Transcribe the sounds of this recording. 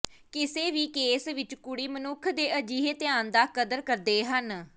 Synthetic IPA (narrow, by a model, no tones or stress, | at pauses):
kɪseːʋiːkeːsʋɪt͡ʃkʊɽiːmənʊkʰd̪eːəd͡ʒiːɦet̪ɪjaːnd̪aːkəd̪əɾkəɾd̪eːɦən